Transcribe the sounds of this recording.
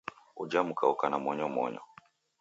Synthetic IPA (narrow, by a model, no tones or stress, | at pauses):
ud͡ʒamukaukanamɔɲɔmɔɲɔ̰